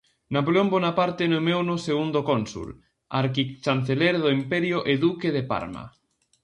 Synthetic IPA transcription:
napoleombonapaɾt̪enomewnoseɣund̪okonsṵl | aɾkit͡ʃanθeleɾðoimpɛɾjoʔeðukeðepa̰ɾma̰

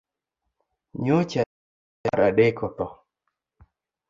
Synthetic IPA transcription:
ɲot͡ʃa | aɾaɗekʰɔt̪ɔ

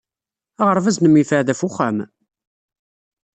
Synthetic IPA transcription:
aʁəɾˤvæznəmːifəʕðæfʊχæm

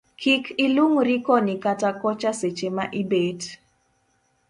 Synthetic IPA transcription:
kʰikʰɪluŋɾɪkɔnɪkatakɔt͡ʃaset͡ʃemaʔɪbed

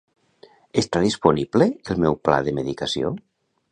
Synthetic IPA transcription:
est̪aðisponibleelˠmɛwpla̰ðəməðikasio̰

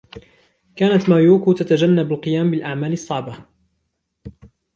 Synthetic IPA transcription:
kaːnat̪maːjuːkuːt̪at̪ad͡ʒanːabalqɨjaːmbɪlʔaʕmaːlɨsˤːɑʕba

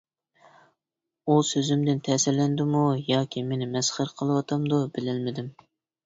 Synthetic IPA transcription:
usøzymd̪ɪnt̪ʰɛsɪɾlɛnd̪ɪmujɑːkʲʰimenɪmɛsχəɾqʰəlˠɨwɑt̪ʰɑmd̪ubɪlɪlmɪd̪ɪm

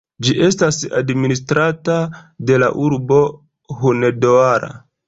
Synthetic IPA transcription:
d͡ʒiʔe̞stasa̰dministɾatade̞la̰ʔuɾbo̞ | ɦunedoaɾa̰

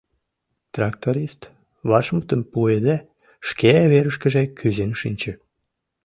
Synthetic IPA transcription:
t̪rɑkt̪oɾist̪ | βɑʃmət̪əmpued̪æ | ʃkeæβeɾəʃkə̆ʒekyzenʃinʲt͡ɕə̆

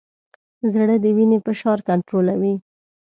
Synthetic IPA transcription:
zɽəd̪əwinepəʃɑɾkaɳʈɾolawi

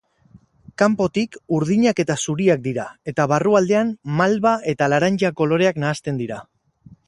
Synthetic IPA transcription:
kampo̞t̪ikuɾð̞iɲake̞t̪asuɾiak̚d̪iɾae̞t̪aβaruald̪e̞anmalβae̞t̪alaɾaɲt͡ʃako̞lo̞ɾe̞aknaːst̪e̞nd̪iɾa

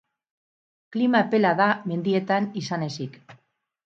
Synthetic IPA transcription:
klimape̞laðame̞nd̪ie̞t̪anisane̞sik

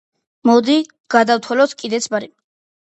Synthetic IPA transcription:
mɔd̪i | ɡ̥ad̪awt̪ʰwɛlɔskʼid̪ɛt̪sʰbaɾi

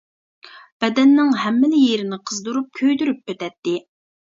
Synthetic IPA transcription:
b̥ɛd̪ɛnːɪŋɦɛmːɪlɪjeɾɪnɪqʰəzd̪uɾup̚kʲʰøjd̪yɾyp̚øt̪ɛt̪ːɪ

